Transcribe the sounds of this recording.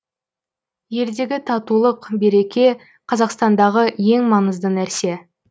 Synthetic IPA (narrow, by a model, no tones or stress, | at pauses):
je̞ld̪e̞ɡʲɪt̪ʰɑt̪ulˠəqbe̞ɾe̞kʲe̞ | qʰɑzɑqst̪ɑnd̪ɑʁəje̞ŋmɑnəzd̪ənæɾse̞